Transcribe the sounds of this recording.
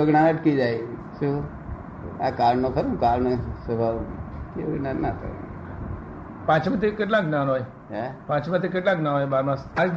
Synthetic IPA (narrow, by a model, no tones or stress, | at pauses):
əɡnaəʈkid͡ʒaj | su | akaːɾɳnõkʰəɾũkaɾnsəbʱaʋũt̪iʋəɡnanːat̪ə̰ɾ̰̃ | pãt͡ʃmãt̪ʰekeʈlãknanɦoːj | ɛpãt͡ʃmãt̪ʰekeʈ̬lãknãɦojbaɾmãsa